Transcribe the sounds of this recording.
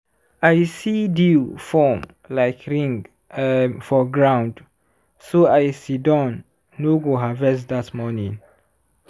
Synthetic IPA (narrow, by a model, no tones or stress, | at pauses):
ajsidifɔm | laɪkʰɹĩŋɡ | fɔɡɹãw̃nd | soajsidɔ̃nː | oɡoɦavɛsd̪atmɔnĩŋ